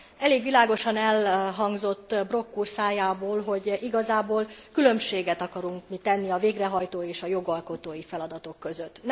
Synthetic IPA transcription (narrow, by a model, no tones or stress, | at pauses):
ɛleːɡʋilaːɡo̞ʃɒnɛlɦɒŋɡzo̞t̪ːbro̞kːursaːjaːboːlɦo̞ɟiɡɒzaːboːlkylø̞mʃeːɡɛt̪ɒkɒɾuŋkmit̪ɛnːiɒveːɡrɛɦɒjt̪oːeːʃɒjo̞ɡɒlko̞t̪oːjifɛlɒd̪ɒt̪o̞kːøzøt̪ːn